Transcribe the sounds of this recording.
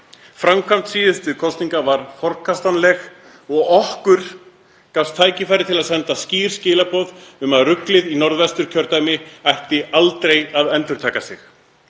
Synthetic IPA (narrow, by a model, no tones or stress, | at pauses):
fɾamkʰvam̥t̪siːðʏst̪ʏkʰɔst̪niŋkavaɾ̥fɔɾkʰast̪anlɛɣ | ɔɣɔhkʏɾ̥ | kafst̪ʰːaːjcɪfajɾɪt̪ʰɪlaðsɛnt̪asciːɾ̥scɪːlapɔðʏmaðrʏklɪðinɔɾðvɛst̪ʏɾ̥cʰœɾt̪aːjmɪajhc̪ɪalt̪ɾejaðɛnt̪ʏɾ̥t̪ʰaːkasɪx